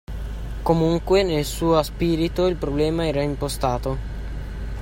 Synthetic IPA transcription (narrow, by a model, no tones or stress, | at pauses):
komuŋkwenelsuːaspiːɾit̪oilpɾoblɛːmaɛːɾaimpost̪aːt̪o